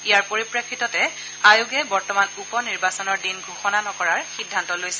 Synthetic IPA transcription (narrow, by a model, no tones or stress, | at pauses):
ijaɹpoɹipɹakʰːitɔtɛ | ajuɡɛbɔɹtɔmanupɔniɹbasɔnɔɹdinɡʱuxɔnanɔkɔɹaɹxidʱːantɔlojsɛ